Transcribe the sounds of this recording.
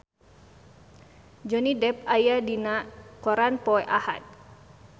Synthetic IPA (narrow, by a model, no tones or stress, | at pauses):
d͡ʒɔnidɛp̚ajadinakɔɾanpɔɛʔaha̰t̪̚